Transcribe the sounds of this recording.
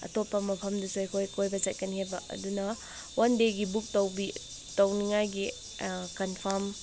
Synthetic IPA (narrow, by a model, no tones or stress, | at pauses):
ɐ̰topːɐmɐpʰɐmdɐsuekʰojkʰojbɐt͡ʃɐt̚kɐniɦajbɐɐ̰dunɐ | wʔandeɡibuk̚tɐwbi | tɐwniŋajɡi | kɐnpʰɐɾm